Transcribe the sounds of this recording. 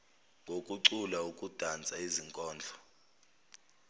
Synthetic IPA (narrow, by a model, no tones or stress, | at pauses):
ŋɡʱokʼuǀulaukʼud̥ʱant͡sʼaiziŋkʼɔːnd͡ɮʱɔ̥